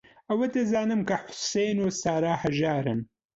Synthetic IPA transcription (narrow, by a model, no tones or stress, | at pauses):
ɐwɐd̪ɐzaːnɨmkɐħʊ̥sejnusaːɾaːhɐʒaːɾɨm